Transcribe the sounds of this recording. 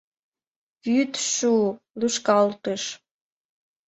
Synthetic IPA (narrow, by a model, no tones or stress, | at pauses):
pyt̪ʃu | luʃkɑlt̪əʃ